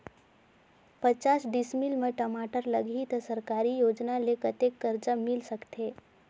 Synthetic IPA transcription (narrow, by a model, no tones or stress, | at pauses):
pət͡ʃasɖismilmeʈəmaʈəɾləɡʱiːt̪əsəɾkaɾijod͡ʒnalekət̪ekːəɾt͡səmilsəkt̪e